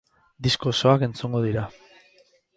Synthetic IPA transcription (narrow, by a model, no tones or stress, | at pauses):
d̪isko̞so̞ake̞nt͡suŋɡo̞ð̞iɾa